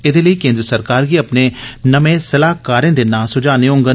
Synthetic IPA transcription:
ɪd̪eləikẽːnd̪ɾəsəɾkaːɾkiɐpnenɐmẽsɐlaːɦkaːɾẽːd̪enãːsʊd͡ʒaːneõːŋɡə

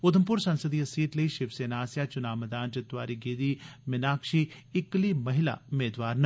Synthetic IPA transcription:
ʊd̪ʱəmpʊɾsɐnsəd̪ijɐsiːʈlɐiʃɪʋseːnaːsjat͡ʃʊnaːmɐd̪aːnt͡ʃɐt̪ʋaːɾiɡeːd̪imɪnaːkʃiːɪklimɐɦɪla̰ʊmeːd̪ʋaːɾn

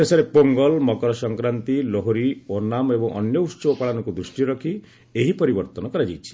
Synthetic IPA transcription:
esɔɾepoŋɡɔlmɔkɔɾɔsɔŋkɾant̪iloɦoɾionamebɔŋʔɔnjɔusɔbɔpaɭanɔkud̪ɾusʈiɾɔkʰi | eɦipɔɾibɔɾt̪ɔnɔkɔɾad͡ʒajt͡ʃʰi̥

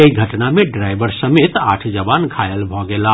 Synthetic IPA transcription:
eiɡʱəʈnameɖɾajbəɾsəmet̪a̰ʈʰd͡ʒəbankʰajəlbʱɔɡela

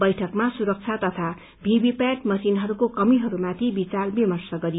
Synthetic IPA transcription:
bʌjʈʰʌkmasuɾʌk̚t͡sʰat̪ʌt̪ʰa | bʱibipaʈmʌsinɦʌɾukokʌmiɦʌɾumat̪ʰibit͡salbemʌrsʌɡʌɾi

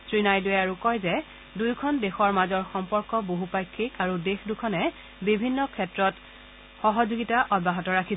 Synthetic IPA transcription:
sɹinajdʊjaɹukɔjzɛ | dujkʰɔndexɔɹmazɔɹxɔmpɔɹkɔboɦupajkʰːikaɹudexdukʰɔnɛ | bibʱinːɔkʰɛtɹɔt | xɔɦɔzuɡitaʔɔd̚baɦɔtɔɹakʰi

